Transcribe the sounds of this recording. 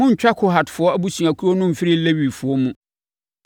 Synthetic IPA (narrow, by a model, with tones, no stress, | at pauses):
mʊ̃˦ɲ̩˨t͡ɕᶣa˦kʰʊ˦ɦa˨tfʊ˨ɔ˦æ˦bu˦sũ˨a˨kʰu˦ɾɔ˦nʊ̃˦m̩˨fɪ˦ɾɪ˦le˦wi˨fʊ˨ɔ˦mũ˦